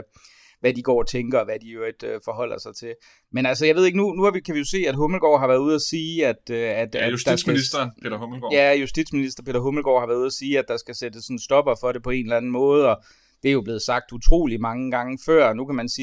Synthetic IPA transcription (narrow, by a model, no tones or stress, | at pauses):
ʋæd̥iɡ̥ɒ̰ːt͡sʰeŋɡ̥ɐɒʋæd̥iøed̥øfɒ̽ɦɒ̽l̰ɐsɑ̈ɪt͡sʰe̝l | menælsəjɑ̈ʋe̝ð̞ˠeɡ̥nunuæʋikʰæʋijo̝se̝̰ːæd̥ɦɔml̩ɡ̥ɒ̰ːɦɑ̈ʋæɐðˠuð̞ˠæsiːæd̥øæd̥æsd̥ɑ̈sisd̥ɐpehomɡjæjusd̥id̥sminisd̥ɐpʰe̝̰ːd̥ɾɐɦoml̩ɡ̥ɒ̰hɑʋæɐðˠuðˠɐsiːæd̥ɑ̈sɡ̥æsed̥əsːɒ̽nn̩sd̥ɒ̽b̥ɐfɒ̽ɾe̝pʰɒ̽e̝̰ːnlænn̩mɔ̽ːð̞̩ˠɒ̽ | d̥eæɐjo̝b̥le̝ːð̞̩ˠsɑ̈ɡ̥̚d̥ut͡sʰʁo̝̰ːlimɑ̈ŋəɡ̥ɑ̈ŋəfɶɐ̰nukʰæmænsiː